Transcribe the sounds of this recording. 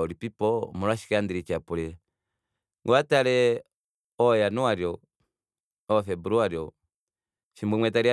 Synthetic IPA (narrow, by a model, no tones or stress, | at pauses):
ɔɾipipɔmulwaʃi̥kɛandiɾit͡ʃapuɾɛ | ŋɡɔatalɛ | ɔjanuaɾjɔ | ɔfɛbuɾuaɾiɔ | ʃimbumwɛtaɾia